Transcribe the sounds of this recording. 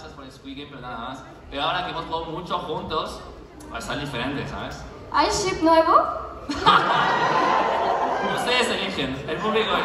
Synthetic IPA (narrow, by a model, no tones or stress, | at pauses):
saspoɾelskwiɣepeɾonaðamas | peɾoaoɾakeemost̪oðomut͡ʃoxunt̪os | pa̰st̪aɾd̪ifeɾent̪esa̰βes | ajʃipneβo | komoseeselixjenelpuβliko